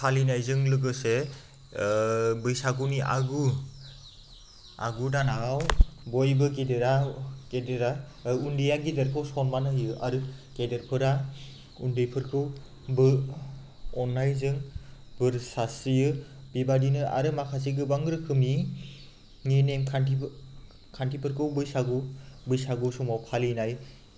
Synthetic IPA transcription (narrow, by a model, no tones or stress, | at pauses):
kʰalinajzɯŋlɯɡ̬ɯse | bɯjsaɡuniʔa̰ɡu | a̰ɡudanawbɔjbɯɡedeɾakedeɾaundijaɡidɯɾkʰɯwsɔnmanɯɦjɯʔa̰ɾɯkedɯɾpʰɯɾa | undɯjpʰɯɾkʰɯw | bɯ | ɔnːajzɯŋbɯɾsasɯjɯbebadinɯʔa̰ɾɯmakʰasiɡɯbaŋɡɾɯkʰɯmi | ŋenemkʰanti | kʰantʰipʰɯɾkʰɯwbɯjsaɡubɯjsaɡɯsɔmawpʰalinaj